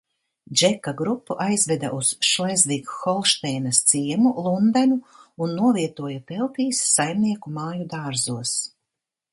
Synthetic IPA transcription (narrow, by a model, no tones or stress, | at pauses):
d͡ʒɛkːaɡɾupːuʔajzvɛd̪a̰ʔusʃajzvikxɔlˠʃt̪ɛjnɐst̪siɛmulˠund̪anuunːuɔviɛt̪uɔjapɛlˠp̪iːsːajmniɛkumaːjud̪aːɾzuɔs